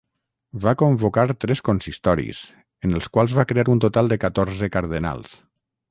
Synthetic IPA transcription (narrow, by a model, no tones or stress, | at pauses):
βakombokaɾt̪ɾɛskonsist̪ɔɾḭs | ənəlˠskwalˠzβakɾeaɾunt̪ot̪alˠd̪əkat̪ɔɾzəkaɾðəna̰lˠs